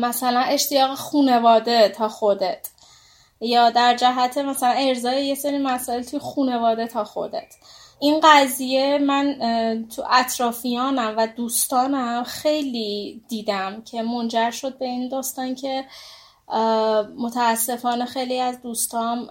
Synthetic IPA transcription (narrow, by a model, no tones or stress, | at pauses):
mæsælæne̞ʃt̪ʰijɒːɣexuːne̞vɒːd̪e̞t̪ʰɒːxo̞d̪et̪ʰ | jɒːd̪æɾd͡ʒæɦæt̪ʰe̞mæsælæne̞ɾzɒːjeje̞se̞ɾiːmæsɒːe̞lt̪ʰujexuːne̞vɒːd̪e̞t̪ʰɒːxo̞̰d̪ḛt̪ʰ | ʔinɢæzije̞mænt̪ʰuʔæt̪ʰɾɒːfijɒːnæmvæd̪uːst̪ɒːnæmxe̞jliːd̪̥iːd̪æmcʰe̞mo̞nd͡ʒæɾʃo̞d̪̚be̞ind̪ɒːst̪ɒncʰe̞ | mot̪ʰæːsːe̞fɒːne̞xe̞jliːæzd̪uːst̪ɒːn